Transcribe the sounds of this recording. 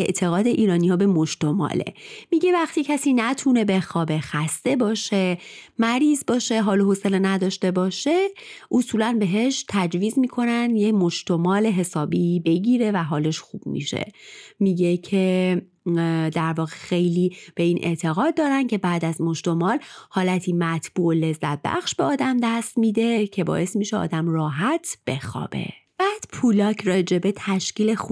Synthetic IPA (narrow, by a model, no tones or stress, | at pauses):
e̞ʔt̪ʰe̞ɣɒːd̪e̞ʔiːɾɒːnihɒːbe̞mo̞ʃt̪omɒ̰ːlḛmiɟe̞væxt̪icʰæsiːnæt̪ʰune̞be̞xɒːbe̞xæst̪e̞bɒːʃe̞mæɾiːzbɒːʃe̞ɦɒːloɦoselenæd̪ɒːʃt̪e̞bɒːʃe̞ʔosuːlænbe̞ɦe̞ʃt̪ʰæd͡ʒviːzmiːkʰo̞nænd̪jemo̞ʃt̪omɒːle̞ɦe̞sɒːbibe̞ɟiːɾe̞væɦɒːle̞ʃxṵb̥mḭʃḛmiːɟecʰe̞ | d̪æɾvɒːɣe̞xe̞jliːb̥e̞iːnʔe̞̰ʔt̪ʰe̞ɣɒːd̪̚ːɒːɾæncʰe̞bæːd̪æzmo̞ʃt̪o̞mɒːlhɒːlæt̪ʰiːmæt̪ʰb̥uːʔole̞zːæt̪̚bæ̰xʃbeɒːd̪æmd̪æst̪miːd̪e̞cʰe̞bɒ̰ːʔe̞st̪miːʃeɒ̰ːd̪æmrɒːɦæt̪ʰb̥e̞̰xɒ̰ːb̥e̞̰ | b̥æːd̪̥pʰulɒːcʰrɒːd͡ʒe̞bet̪ʰæʃciːle̞xu